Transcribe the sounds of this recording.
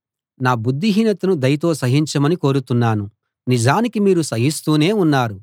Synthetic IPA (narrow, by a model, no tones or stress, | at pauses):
naːbud̪ːiɦiːnɐt̪ɐnud̪ɐjɐt̪o̞ːsɐɦiɲt͡ʃɐmɐniko̞ːɾut̪unːaːnu | nid͡ʒaːnikimiːɾusɐɦist̪uːne̞ːunːaːɾu